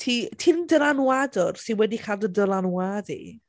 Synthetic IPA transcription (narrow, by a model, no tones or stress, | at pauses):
tʰiːtʰiːnəndəlˠanwadɔrsɪnwɛdikʰaːlˠdədəlˠanwaːdḭ